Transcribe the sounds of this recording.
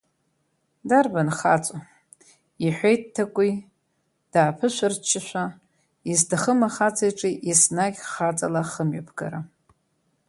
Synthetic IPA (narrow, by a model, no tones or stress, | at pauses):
darbanχa̰t͡sʷʼa | iħʷejttʰːakʷʼi | d̥aːpʰɨʃʷart͡ʃʰːɪʃʷa | izdaχəmaχat͡sʰajʈ͡ʂʼiʔisnaɡʲχat͡sʼa̰laχəmɥapʰɡa̰ɾa